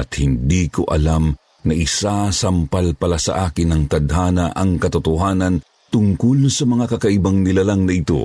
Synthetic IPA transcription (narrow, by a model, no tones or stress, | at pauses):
ɐt̪̚hɪnd̪iko̰ʔɐ̰lam | nɐʔɪsasɐmpalpɐlasɐ̰ʔaːkɪnːɐŋt̪ɐd̪haːnɐʔɐŋkɐt̪ʊt̪ʊɦaːnɐn | t̪ʊŋkʊlsɐmɐŋakɐkɐʔɪbaŋnɪlalɐŋnɐʔɪt̪o̞̰